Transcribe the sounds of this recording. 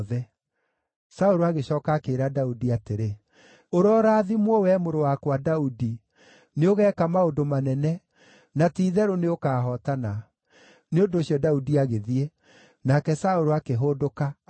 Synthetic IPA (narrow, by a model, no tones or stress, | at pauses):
ðɛ | saoɾoaɣeɕɔːkakeːɾadaudiateɾe | oɾɔɾaːðimwɔwɛmoɾowakwadaudi | neoɣɛːkamaondomanɛnɛ | natiːðɛɾoneokaɦɔtana | neondoɕijɔdaudiaɣeðie | nakɛsaoɾoakeɦodoka